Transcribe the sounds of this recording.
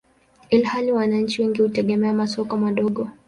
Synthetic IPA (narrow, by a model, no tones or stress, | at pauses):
ilhaliwanaɲ̩t͡ʃiwɛŋɡihutɛɠɛmɛamasɔkɔmaɗɔɠɔ